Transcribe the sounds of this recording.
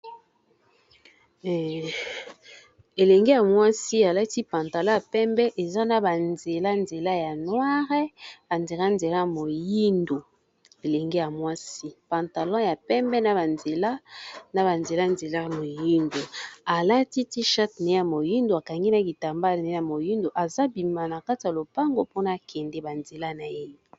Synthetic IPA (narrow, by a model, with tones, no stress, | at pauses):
e˨le˨ŋɡe˦ja˨mwa˦si˦a˨la˦ti˦pã˨nta˨lɔ̃˦ja˨pɛ˦mbɛ˦ʔe˨za˦na˨ba˨nze˨la˦nze˨la˦ja˨nwa˦ʁɛ˦a˨nze˨la˦nze˨la˦˨mo˨ji˦ndo˨ | e˨le˨ŋɡe˦ja˨mwa˦si˦pã˨nta˨lɔ̃˦ja˨pɛ˦mbɛ˦na˨ba˨nze˨la˦na˨ba˨nze˨la˦nze˨la˦˨mo˨ji˦ndo˨a˨la˦ti˦ti˦ʃa˦tna˨e˦ja˨mo˨ji˦ndo˨a˨ka˨ŋɡi˦na˨˦ki˨ta˨mba˦lna˨˦a˨mo˨ji˦ndo˨ʔa˨za˦bi˨ma˨na˨ka˦ti˨ja˨lo˨pa˦ŋɡo˨po˦na˨kʰɛ˨ndɛ˦ba˨nze˨la˦˨na˨ji˦o˨